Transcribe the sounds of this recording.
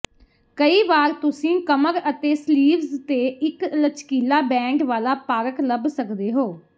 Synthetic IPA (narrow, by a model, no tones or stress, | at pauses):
kəiːʋaːɾt̪ʊsĩːkəməɾət̪eːsliːʋzt̪eːɪklət͡ʃkiːlaːbɛ̃ːɳɖʋaːlaːpaːɾəkləbsəkd̪eːɦoː